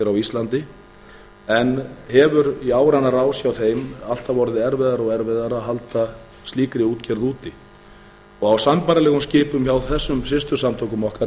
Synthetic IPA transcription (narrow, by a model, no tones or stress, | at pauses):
ɛɾawist̪lant̪ɪ | ɛnhɛvʏɾiaːwɾanːaɾaːwsjawθejmal̥t̪avɔɾðɪɛɾvɛðaɾɔɣɛɾvɛðaɾaɦalt̪a | st̪liːkɾɪuːt̪cɛɾðuːt̪ɪ | ɔɣawsanpaːɾalɛːɣʏmscɪːpʏmçawθɛsːʏmsɪst̪ʏsamt̪ʰɔwkʏmɔhka